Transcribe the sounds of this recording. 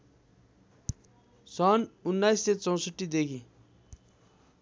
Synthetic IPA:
sɔnunːajsːet͡sɔ̃w̃səʈːid̪ekʰi

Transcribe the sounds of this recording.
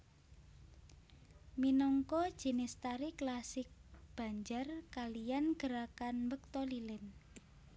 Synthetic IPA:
minɔŋkɔd̥ʒ̥i̤nɪst̪aɾiklasɪk̚b̥a̤ɲd͡ʒarkalijanɡ̥əɾakanmbək̚t̪ɔlilɛn

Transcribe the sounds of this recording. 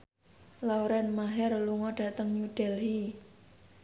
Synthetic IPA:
lawɾɛnmaɦɛrluŋɔɖ̥ä̤t̪əŋɲud̥ɛlɦi

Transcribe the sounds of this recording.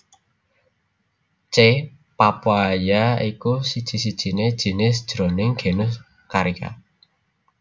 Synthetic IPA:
t͡ʃe | papwajaikusid̥ʒ̥i̤sid̥ʒ̥i̤ned̥ʒ̥i̤nɪsd̥ʒ̥ɾonɪŋɡ̥e̤nʊs | kaɾika̰

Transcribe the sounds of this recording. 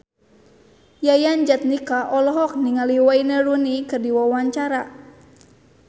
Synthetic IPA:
jajand͡ʒat̪̚nikaʔɔlɔɦɔk̚niŋaliwainəɾunikɨrdiwawaɲt͡ʃaɾa

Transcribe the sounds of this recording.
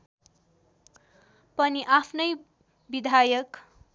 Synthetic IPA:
pʌniʔapʰnʌj | bid̪ʱajʌk

